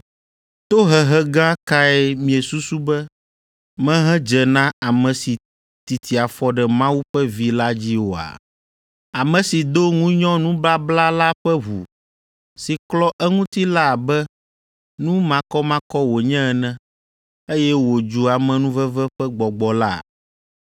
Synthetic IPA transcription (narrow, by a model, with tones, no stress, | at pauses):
t̪o˦ɦɛ˨ɦɛ˦ɡã˦ka˦ɛ˦mĩ˨ɛ˨su˦su˦bɛ˦ | mɛ̃˦ɦɛ̃˦d͡ʒɛ˨nã˦a˨mɛ̃˨si˨ | t̪i˨t̪ʰi˨a˨fɔ˦ɖɛ˨mã˦wu˦ɸɛ˦vi˦la˦d͡ʑi˦wo˨a̰˨ | a˨mɛ̃˨si˨d̪o˦ŋũ˦ɲɔ̃˦nũ˦bla˦bla˦la˦ɸɛ˦βṵ˨ | si˨klɔ˦ʔɛ˦ŋũ˦t̪i˦la˦˨bɛ˦ | nũ˦mã˦kɔ˦mã˦kɔ˦wo˨ɲɛ̃˦ɛ˨nɛ̃˦ | e˦jɛ˦wo˨d͡ʒu˨˦a˨mɛ̃˨nũ˦vɛ˦vɛ˦ɸɛ˦ɡ͡bɔ˨ɡ͡bɔ˨la̰˦